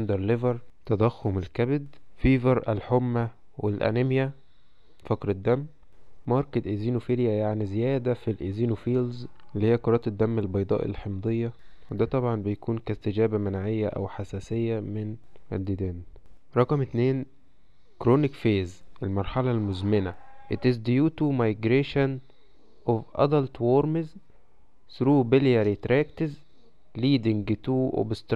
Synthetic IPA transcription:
nd̪ɑɾˤlevɑɾˤt̪ɑd̪æxːomelkæbed̪fiːvɑɾˤʔælħomːæ | welʔæ̰nemjæ | fɑkɾɪd̪ːæmː | ɑɾˤked̪ʔeziːnufiljæjaʕnizejæːd̪æfilʔeziːnufiːlzlːihejːækoɾˤɑːt̪d̪ːæmːelbɑjd̪ˤɑ̰ːʔḛlħemd̪ˤejːɑwed̪æːt̪ˤɑbʕɑnbejækuːnkæst̪ɪd͡ʒæːbæmænʕejːæʔæ̰wħasæːsejːæmɪnʔæd̪ːid̪æːnɾˤɑqɑmt̪neːn | kɾoːnikfeːzʔelmɑɾˤħɑlɑlmozmenæʔet̪izd̪juːt̪umɑjɡɾeːʃan | ʔovʔɑ̰d̪ɑlt̪woːɾmez | sɾuːbeljæɾit̪ɾæːkt̪ɪz | liːd̪ɪŋɡt̪uːʔo̰bst̪

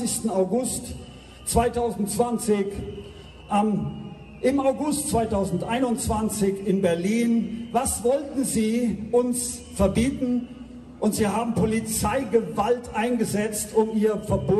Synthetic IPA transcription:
ɪçstn̩aʊɡʊst | t͡sv̥aɪtʰaʊzn̩tt͡sv̥ant͡sɪç | ʔam | ʔɪmaʊɡʊstt͡sv̥aɪtʰaʊzn̩tʔaɪnʊnt͡sv̥ant͡sɪçɪnbɛɐliːnvasv̥ɔltn̩ziːʔʊns | fɛɐbiːtn̩ | ʔʊntz̥iːɦaːbm̩pʰolit͡saɪɡəvaltʔaɪnɡəzɛt͡stʰʊmiːʁəfɛɐboː

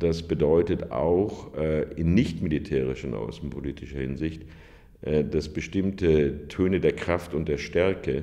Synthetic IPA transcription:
d̥asb̥ədɔʏtəta̰ʊxʔɪnːɪçtmɪlitʰɛːʁ̞ɪʃɪnʔa̰ʊsn̩pʰoliːtʰɪʃɐhɪnzɪçt | ʔɛd̥asb̥əʃtɪmtətʰøːnədeːɐkʁ̥aftʊnt̚d̥eːɐʃtɛɐkə

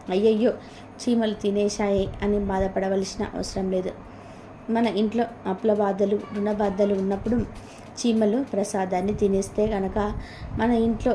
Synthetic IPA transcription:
ɐjːɐjːoː | t͡ʃiːmɐlut̪inɛːʃaːjeɐnibaːd̪ɐpɐɽɐʋɐlsinɐ̰ʔɐ̰ʋɐ̰sɐɾɐmle̞ːd̪u | mɐnɐʔiɳʈlo̞ːɐplɐbaːd̪ɐluɾunɐbaːd̪ɐluːnːɐpːuɽum | t͡ʃiːmɐlupɾɐsaːd̪aːnːit̪inist̪e̞ːɡɐnɐkɐmɐnɐiɳʈlo̞ː

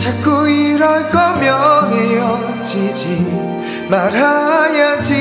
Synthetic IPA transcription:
t͡ɕʰak͈ːuiɾʌjkʌmjʌnejʌ | t͡ɕid͡ʑi | maɾajad͡ʑi

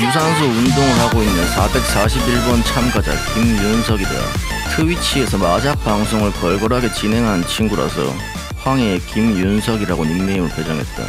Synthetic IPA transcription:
mus̬ʰans̬ʰoundoŋɯɭhaɡoinːɯnsʰabe̞k̚s͈aɕʰibiɭbʌnt͡ɕʰamɡad͡ʑa̰kimjunsʰʌɡida̰ | tʰɯwit͡ɕʰie̞sʰʌmad͡ʑak̚p͈aŋsʰoŋɯɭkʌɭɡʌɾɦaɡe̞t͡ɕine̞ŋɦannt͡ɕʰinɡuɾo̰sʰʌ̰ | ɸwaŋe̞kimjunsʰʌɡiɾaɡoninmeimɯɭted͡ʑaŋɦe̞̰t̚t͈a̰

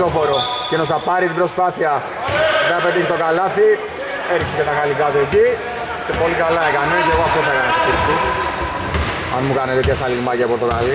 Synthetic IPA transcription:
ofoɾocenosɐpɐɾit̪ibɾospɐθiɐ | ðeɐpet̪içt̪okalɐθi | eɾiksecet̪ɐɣɐlikɐt̪ueci | t̪epo̞likɐlɐekɐneceɣoaft̪oθɐekɐnospist̪i | ɐnmukɐnet̪et̪çesɐliɣmɐcepoɾt̪okali

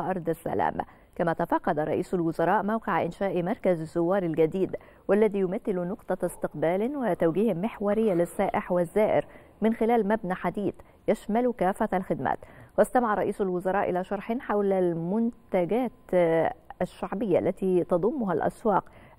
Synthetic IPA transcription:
ʔɑɾˤd̪ˤasːæ̰la̰ːm | kæmæːt̪afɑqːɑd̪aɾˤɑ̰ʔiːsʊlwʊzɑɾˤɑːʔmawqɪʕʔɪnʃaːʔmɑɾˤkazzːʊwːɑːɾˤɪlɡæd̪iːd̪ | walːæðiːjʊmæθːɪlunʊqt̪ˤɑst̪ɪqbaːlɪnwɪt̪awɡiːhɪmːɪħwɑɾɪjːalɪsːaːʔɪħwɪzːaːʔɪ̰ɾ | mɪnxɪlæːlmæbnaħad̪iːθ | jaʃmælkaːfalxɪd̪mæ̰ːt̪wɪst̪amaʕɑɾˤɑʔiːsalwʊzɑɾˤɑːʔɪlaːʃɑɾˤħɪnħawlalmʊnt̪t̪aɡaːt̪ | aʃːaʕbɪjːaʔlːæt̪iːt̪ɑd̪ˤʊmːʊɦalʔæ̰swɑːq

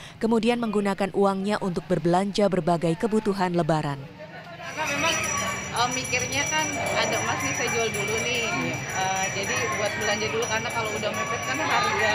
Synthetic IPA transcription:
kəmudianməŋɡunakanʔuaŋɲaʔunt̪ʊk̚bərbəlaɲd͡ʒabərbaɡajkəbut̪uɦanləbaɾan | kanamemaŋʔəmːikɪrɲakanadamasnisajad͡ʒualdulunɪəːd͡ʒadibuat̪̚bəlaɲd͡ʒadulukarnakalowudamefɛt̪̚kanaɾ

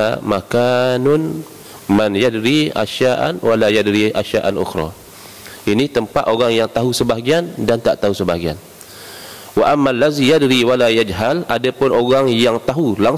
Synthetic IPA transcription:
makanʊn | manjadɾia̰ʃaʔa̰nwalajadɾia̰ʃaʔanʊ̰xɾɔ̰ | ʔinĩt̪əmpat̪oɣaŋjaŋt̪aɦusəbaɡiandant̪aʔt̪aɦusəbaɡia̰n | waʔamːalːazijadɾiwalajad͡ʒɦaladapʊnoɣaŋjaŋt̪aɦulaŋ

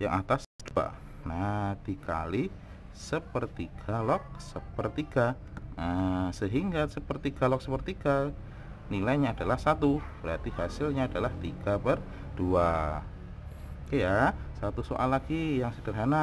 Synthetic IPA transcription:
ja̰ŋʔat̪asd̥ua̰ | nat̪ika̰li | səpərt̪iɡ̥alɔk̚səpərt̪iɡ̥a | əsəɦiŋɡasəpərt̪iɡalɔk̚səpərt̪iɡ̥a | nilajɲaːdalahsat̪ub̥əɾat̪ihasɪlɲaːdalaht̪iɡ̥apər | d̥ua | kəjasat̪uso̰ʔalaɡijaŋsədərɦana

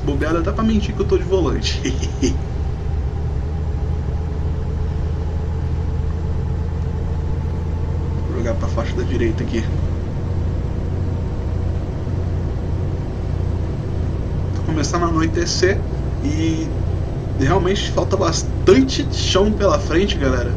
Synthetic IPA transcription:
bobiad̪ɐt̪ɛpɾɐmĩt͡ʃikewt̪od͡ʒɪvolɐ̃t͡ʃɪ | oʒoɡad̪pɾɐfaʃɐd̪ɐd͡ʒiɾejt̪ɐki | t̪okõmesɐ̃nɐmãĩt̪ese | ɪ | heawmẽt͡ʃɪ̥fawt̪ɐbas | t̪ɐ̃nt͡ʃɪ | ʃɐ̃w̃pelɐfɾẽnt͡ʃɪɡalɛɾɐ

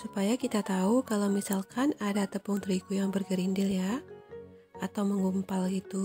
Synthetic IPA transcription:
supajakit̪at̪aukalawmisalkʰanadat̪əpuŋt̪əɾikujaŋbərɡəɾindɪlja | ʔat̪awməŋumpalɡit̪u

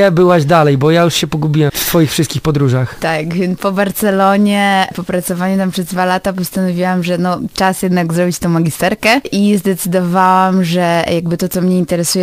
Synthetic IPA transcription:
ɛbɘwaʑd̪alɛjbɔjajuʂɕɛpɔɡubʲiwɛmft̪fɔjixfʂɘst̪kʲixpɔd̪ɾuʐaxt̪akvʲɛnpɔbaɾt̪sɛlɔɲɛpɔpɾat̪sɔvaɲɛt̪ampʂɛzd̪valat̪apɔst̪anɔvʲiwamʐɛnɔt͡ʂasjɛd̪naɡzɾɔbʲit͡ɕt̪ɔ̃w̃maɡʲist̪ɛɾkɛʔizd̪ɛt̪sɘd̪ɔvawamʐɛjaɡbɘt̪ɔt̪sɔmɲɛint̪ɛɾɛsujɛ

